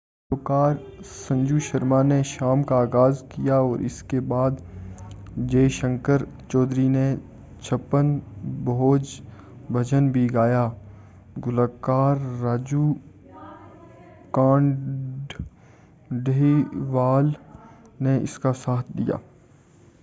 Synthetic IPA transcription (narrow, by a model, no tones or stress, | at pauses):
oːkaːɾsɐ̃ɲd͡ʒuʃɐɾmaneʃaːmkaːɣaːzkijaɔːɾɪ̰skebaːd̪ | d͡ʒeːʃə̃ŋkəɾt͡ʃɔːd̪ɾine | t͡ʃʰɐpːənboːd͡ʒ | bʱɐd͡ʒənbʱiɡaːja | ɡʊlakaːɾːaːd͡ʒu | kãːɳɖ | ɖiʋaːl | neɪ̰skasaːt̪̚ʰd̪ḭja̰ː